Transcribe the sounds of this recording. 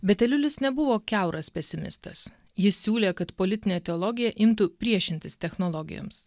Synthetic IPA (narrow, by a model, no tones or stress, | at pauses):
bʲɛt̪ʲɛlʲʊlʲɪsnʲɛbʊʋoːkʲæʊɾɐspʲɛsʲɪmʲɪ̰st̪ɐs | jɪsːʲuːlʲeːkɐt̪polʲɪt̪ʲɪnʲeːt̪ʲɛɔlˠɔɡʲɪjɛʔɪmt̪ʊpʲɾʲiɛʃʲɪnʲt̪ʲɪst̪ʲɛxnɔlˠɔɡʲɪ̰jo̰ms